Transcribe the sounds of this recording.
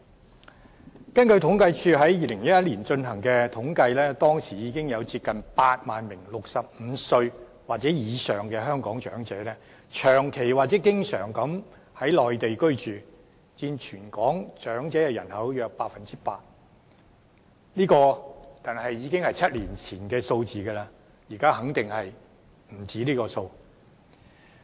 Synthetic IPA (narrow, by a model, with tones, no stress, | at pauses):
kɐ˥nkɵ˧ɥt̪ʰʊ˨˥ŋkɐ˧jt͡ʃʰyː˧ɦɐ˨˥jjiː˨lɪ˨˩ŋjɐ˥tjɐ˥t̚liː˨˩nt͡ʃɵ˧nɦɐ˨˩ŋkɛː˧t̪ʰʊ˨˥ŋkɐ˧jlɛː˥t̪ɔː˥ŋsiː˨˩jiː˨˧kɪ˥ŋjɐ˨˧wt͡siː˧p̚kɐ˨npaː˧t̚maː˨nmɪ˨˩ŋlʊ˨k̚sɐ˨p̚m̩˨˧sɵ˧ɥ | waː˨t̚t͡sɛː˨˥jiː˨˧sœː˨˩ŋkɛː˧ɦœː˥ŋkɔː˨˥ŋt͡ʃœ̰ː˨˥ŋt͡sɛː˨˥lɛː˥ | t͡ʃʰœː˨˩ŋkʰe˨˩jwaː˨t̚t͡sɛː˨˥k̬ɪ˥ŋsœ̰ː˨˩ŋkɐ˨˥m | hɐ˨˥jlɔː˨jt̪e˨jkɵ˥ɥt͡ʃyː˨ | t͡siː˧nt͡ʃʰyː˨˩nkɔː˨˥ŋt͡ʃœː˨˥ŋt͡sɛː˨˥jɛ˧jɐ˨˩nhɐ˨˥wjœː˧k̚paː˧t̚fɐ˨nt͡siː˥paː˧t̚ | liː˥kɔː˧t̪aː˨nhɐ˨jːiː˨˧kɪ˥ŋhɐ˨jt͡sʰɐ˥t̚liː˨˩nt͡sʰiː˨˩nkɛː˧so˧wt͡siː˨ɡɛː˧laː˧ | jiː˨˩kaː˥hɐ˨˥ŋt̪ɪ˨ŋhɐ˨j | m̩˨˩t͡siː˨˥liː˥kɔː˧so˧w